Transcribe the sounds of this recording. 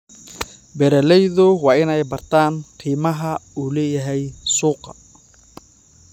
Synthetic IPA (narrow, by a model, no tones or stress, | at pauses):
bɛɾɛlɛjðʊwɑːɪnɛjbɐrt̪ʰaːnqʰiːmɐɦɐuːlɛːjɐɦɛjsuːqɑ